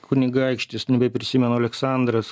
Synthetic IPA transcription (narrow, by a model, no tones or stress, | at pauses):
kʊnʲɪɡɐɪkʃʲt̪ʲɪsnʲɛbʲɛɪpʲɾʲɪsʲɪmʲɛnoːɐlʲɛksɑˑnd̪ɾɐs